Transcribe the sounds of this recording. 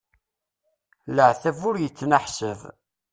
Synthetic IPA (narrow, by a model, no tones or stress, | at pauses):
ləʕθævʊɾjət͡sːnəħsəv